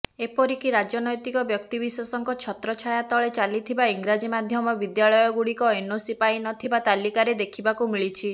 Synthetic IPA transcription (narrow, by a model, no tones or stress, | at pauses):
epɔɾikiɾad͡ʒjɔnɔjt̪ikɔbjɔkt̪ibiswɔsɔŋkɔt͡ʃʰɔt̪ɾɔt͡ʃʰajat̪ɔɭet͡ʃalit̪ʰibaiŋɡɾad͡ʒimad̪ʱjɔmɔbid̪jaɭɔjɔɡuɽikɔinosipajinɔt̪ʰibat̪alikaɾed̪ekʰibakumiɭit͡ʃʰi